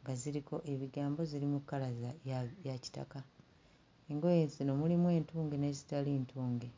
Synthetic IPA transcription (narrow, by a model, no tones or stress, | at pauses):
ŋɡaziɾiko̞ʔe̞βiɡaːmbo̞zilimukːalazajaci̥ta̰ka | eŋɡo̞jensino̞mulimwe̞ːntuːŋɡene̞zi̥taleːntʰuːŋɡe